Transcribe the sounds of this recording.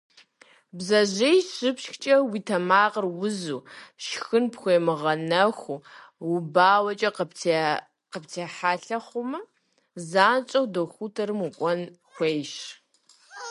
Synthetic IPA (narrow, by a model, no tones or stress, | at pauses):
bzɐʒejɕɪpʃxt͡ʃʼɐwiːtʰɐmaːqərwʊzuːʃxɨnpxʷeːmɨʁɐnɐxʷʊ | wʊbaːwɐt͡ʃʼɐ | qəptʰeːħaːɬɐχʷʊmɐ | zaːnt͡ʃʼɐwdoxʷutʰɐɾɨmukʷʼɔn | xʷejʃ